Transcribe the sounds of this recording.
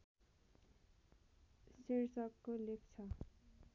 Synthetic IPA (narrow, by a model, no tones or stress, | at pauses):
siɾsʌkːolekt͡sʰʌ